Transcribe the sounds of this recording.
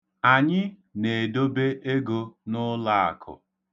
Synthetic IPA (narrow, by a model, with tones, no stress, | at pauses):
a˨ɲɪ˦ | ne˨e˨do˦be˦ʔe˦ɡo˨nʊ˦la˦˨a̰˨kʰʊ̰˨